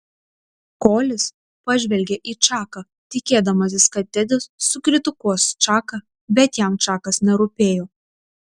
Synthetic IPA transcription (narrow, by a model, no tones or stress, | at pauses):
koːlʲɪs | pɐʒʲʋʲɛlʲɡʲeʔiːt͡ʃɑːkɐ | t̪ʲɪkʲeːd̪ɐmɐs̬ʲɪskɐt̪ʲɛd̪ʲɪsːʊkɾʲɪt̪ʊkuɔst͡ʃɑːkɐ | bʲɛt̪jæˑmt͡ʃɑːkɐsnʲɛɾʊpʲeːjoː